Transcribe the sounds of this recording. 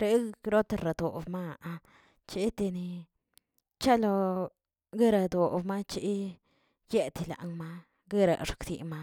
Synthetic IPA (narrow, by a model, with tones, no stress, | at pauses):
ɾe˧ɾo˦t̪e˧ɾa˨d̪o̰˨bma˦˨˧a˧ | t͡ʃi˦t̪e˧ni˧ | t͡ʃa˦lo˧ | ɡe˦ɾa˧d̪o˨bma˦t͡ʃi˦ | je˦t̪i˧la̰˨ŋma˦ | ɡe˦ɾa̰˨ʂksḭ˨ma˦